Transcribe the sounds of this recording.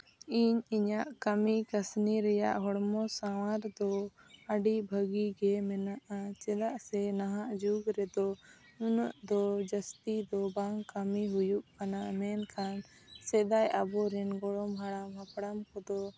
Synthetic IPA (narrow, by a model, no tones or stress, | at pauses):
iɲiɲaʔkəmikəsniɾɛja̰ʔɦɔɽmɔsawaɾd̪ɔəɖibʱəɡiɡɛmɛnaʔat͡ʃɛd̪aʔsɛnaɦaʔd͡ʒuɡɾɛd̪ɔ | unɔ̰ʔd̪ɔd͡ʒəst̪id̪ɔbaŋɡkəmiɦujuʔkanaʔmɛnkʰan | sɛd̪ajabɔɾɛnɡɔɽɔmɦaɽamɦapɽamkɔd̪ɔ